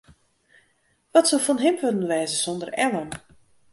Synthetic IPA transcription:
ʋɔtsolˠfɔnɦɪmʋødənʋɛːzəsɔndərɛləm

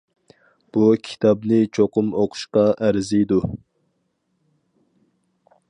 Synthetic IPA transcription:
b̥ukʲʰi̥t̪ʰɑbnɪt͡ʃʰoqʊmoqʰʊ̥ʃqɑʔæɾzijd̪u

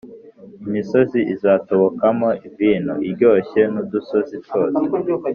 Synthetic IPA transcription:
imiso̞ziʔizaːto̞βo̞kamo̞ʔiviːn̤ṵiɾɟo̞ːçe̞nud̪uso̞zito̞ːse

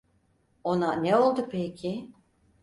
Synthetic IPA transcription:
o̞naneo̞lˠd̪upʰecʰi

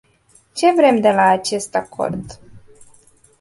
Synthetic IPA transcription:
t͡ʃe̞vɾe̞md̪e̞laːt͡ʃe̞st̪akʰo̞̰rd̪

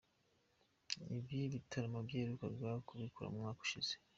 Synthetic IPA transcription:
ibjiβitʰaɾamabɟeːɾukabjaːokuβikuɾa̰mumŋaːku̥ʃiz̥e

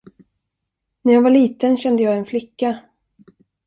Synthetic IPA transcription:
næɾjavaɭiːt̪ənɕɛnd̪əjɑːɛnflɪkːa

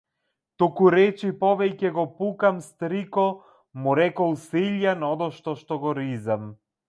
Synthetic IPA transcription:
t̪ukuɾɛt͡ʃipɔvɛcɛɡɔpukamst̪ɾikɔ | muɾɛkɔlˠsiʎjanɔd̪ɔʃt̪ɔʃt̪ɔɡɔɾizam

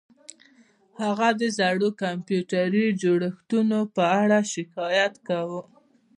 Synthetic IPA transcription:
haɣad̪əzaɽokampjuʈaɾid͡ʒoɽəxt̪unopəaɽaʃɪkɑjat̪kawu

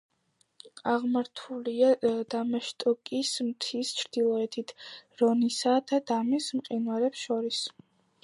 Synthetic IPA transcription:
aʁmaɾt̪ʰuliad̪amaʃt̪ʼɔkʼismt̪ʰist͡ʃʰɾd̪̥ilˠɔɛt̪ʰit̪ʰɾɔnisad̪̥ad̪amismqʼinwaɾɛpsʃɔɾis

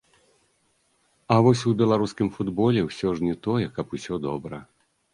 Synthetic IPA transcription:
ɐvɔsʲubʲɛlˠaɾuskʲimfud̪bɔlʲɛwsʲɔʐnʲɛt̪ɔjɛkɐpusʲɔd̪ɔbɾɐ

